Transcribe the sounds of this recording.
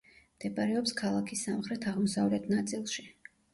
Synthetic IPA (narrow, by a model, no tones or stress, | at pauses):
md̪̥ɛbaɾɛɔpskʰalˠakʰisːamχɾɛt̪ʰaʁmɔsavlɛt̪ʰnat̪sʼilˠʃi